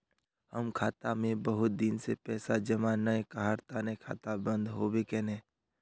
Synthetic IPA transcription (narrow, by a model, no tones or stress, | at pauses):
həmkʰaːt̪amẽbəɦʊt̪̚d̪ɪnsepɛːsad͡ʒɐmanəekaɦaɾt̪aːnekʰa̰ːt̪abə̃nd̪ɦobekɛnɛ̃ː